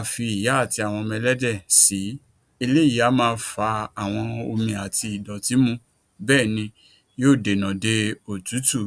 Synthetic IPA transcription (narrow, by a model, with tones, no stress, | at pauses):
fi˧i˨ja˨˦a˦˨ti˧a˨w̃ɔ̃˧mɛ˧lɛ˦dɛ˦˨si˨˦ | i˧le˦i˦a˨˦mãː˦˧fa˧a˨w̃ɔ̃˧o˧mĩ˧a˨ti˧i˨dɔ˨ti˨˦mũ˧ | bɛː˦˨nĩ˧ | joː˦˨de˨nã˨de˧o˨tu˨˦tu˦˨